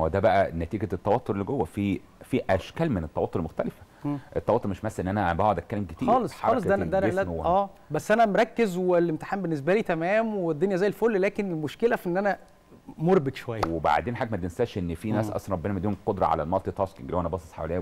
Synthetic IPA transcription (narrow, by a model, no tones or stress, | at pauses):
wed̪æbæʔænæt̪iːɡæt̪ːɑwɑt̪ˤːoɾelːɡowːæfiː | fiʔæʃkæːlmenet̪ːɑwɑt̪ˤːoɾlmoxt̪ælefæ̥ | ʔet̪ːɑwɑt̪ːˤoɾmeʃmæsːʔenːʔænæbæʕod̪ækːælːemɡet̪iːɑːlesˤħaɑːlesˤd̪ææd̪æʔænelæhowːʔæːbæsːʔænæmɾˤɑkːezwelemt̪e̥ħaːmbenːes̬bæliːt̪æmæːmwed̪ːonjæzæːjːelfolːlæːkenelmoʃkelæfʔenːʔænæ | moɾˤbet̪ʃowæjːæweba̰ʕd̪eːnħaɡmæd̪ensæːʃʔenːfinæːsʔɑ̰sɾˤɑbːenæmæd̪ihnqod̪ɾˤɑ̰ʕa̰læ̰lmɑlt̪ˤit̪ˤɑskiŋɡlæwʔænæbɑsˤe̥sˤħa̰wælejː